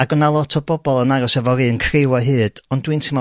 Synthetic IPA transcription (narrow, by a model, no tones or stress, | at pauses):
aɡɔnalˠɔtʰɔbɔbɔlˠənaɾɔsɛvɔɾɨnkʰrɪwaɦɨːd̥ɔndwɨntʰɪmɔ